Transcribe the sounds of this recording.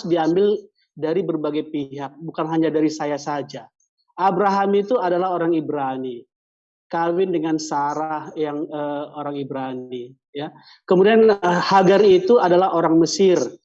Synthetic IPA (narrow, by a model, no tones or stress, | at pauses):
sdiambɪl | daɾibərbaɡajpiɦak̚bukanɦaɲadaɾisajasad͡ʒa | ʔabɾaɦamit̪uadalahoɾaŋibɾani | kawɪndəŋansaɾahjaŋəoɾaŋibɾani | ja | kəmudianəhaɡarit̪uadalaɦoɾaŋməsɪr